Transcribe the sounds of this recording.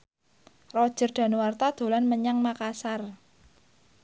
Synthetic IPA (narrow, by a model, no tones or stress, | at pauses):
rɔd̥ʒ̥ə̤rɖ̪̥a̤nuwart̪ad̪̥o̤lanməɲaŋmakasar